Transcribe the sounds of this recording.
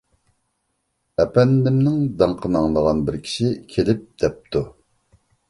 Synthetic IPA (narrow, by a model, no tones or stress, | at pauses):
ɛpɛnd̪ɪmnɪŋd̪ɑŋqʰənɑŋlˠəʁɑnbɪɾkʲʰi̥ʃikʲʰelɪp̚d̪̥ɛp̚t̪ʰu